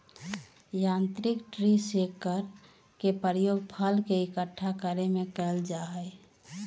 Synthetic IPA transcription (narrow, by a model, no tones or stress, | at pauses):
jãːnt̪ɾikʈɾisekəɾ | kepəɾjoːɡpʰəlkeɪkəʈʰːakəɾemẽkɛld͡ʒaɦəɪ